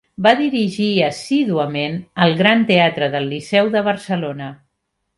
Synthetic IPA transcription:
baðiɾiʒiəsiðuəmenəlˠɣɾant̪eat̪ɾəðəlːisɛwðəβ̞əɾsəlonə

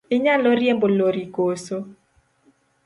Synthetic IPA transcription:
ɪɲaloɾjemboloɾikoso

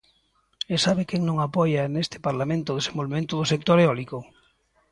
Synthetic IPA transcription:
esaβɪkɛŋnõŋapɔjanest̪ɪ̥paɾlamẽnt̪ʊðesembolβemẽnt̪ʊðʊsek̚t̪oɾeɔlikʊ

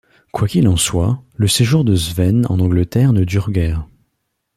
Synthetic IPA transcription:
kwakʲilɑ̃swaləseʒuʁd̪əzvɛnɑ̰̃nɑ̃ɡlət̪ɛʁnəd̪yʁɡʲɛːʁ

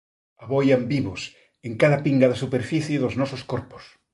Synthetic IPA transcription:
aβojambiβos | eŋkaðapiŋɡaðasupeɾfiθjeðoznɔsoskoɾpo̥s

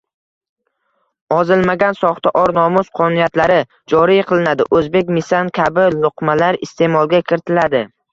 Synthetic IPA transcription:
ɒzɪlmaɡʲansɒχt̪aʔɒɾnɒmʊsqʰɒnnijat̪laɾɪ | d͡ʒɒɾijqʰɨlˠɪnad̪ɪ̰ʔɵzbe̞kʲmɪsankʲʰabɪlˠʊqmalaɾɪst̪e̞mɒlˠɡʲakʲʰɪɾt̪ʰɪlad̪ɪ

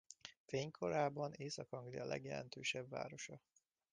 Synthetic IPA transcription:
feːɲkʰo̞ɾaːbɒneːsɒkɒŋɡlijɒlɛ̰ɡjɛlɛ̰n̪t̪øːʃɛbva̰ːɾo̞ʃɒ

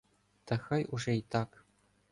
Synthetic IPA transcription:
t̪ɤ̆xɤ̆juʐeit̪ɑk

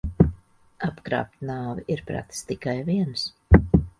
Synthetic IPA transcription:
apkɾa̰ːp̚t̪naːviʔiɾpɾa̰t̪st̪ikajviɛns

